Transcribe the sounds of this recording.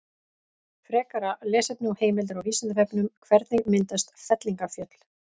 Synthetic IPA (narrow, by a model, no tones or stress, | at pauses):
fɾɛːkaɾalɛːsɛt̪nɪɔheːjmɪlt̪ʏɾawvislant̪ɪvɛpnʏmkʰvɛɾt̪nɪmɪnt̪ast̪fɛt̪liŋkafjœt̪l̥